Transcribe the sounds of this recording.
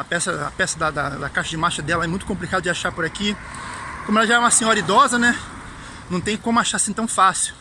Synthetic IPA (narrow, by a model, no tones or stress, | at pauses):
ɐpɛsɐɐpɛsɐd̪ɐd̪ɐd̪ɐkaʃɐd͡ʒɪmaʃɐd̪ɛlɐɛmũj̃t̪ʊkõplikad̪ʊd͡ʒɪaʃapoɾaki | kõmʊɛlɐʒaɛũmɐsẽɲɔɾɐid̪ɔzɐnɛ | nɐ̃w̃t̪ẽj̃kõmʊaʃaɾsĩt̪ɐ̃w̃fasiw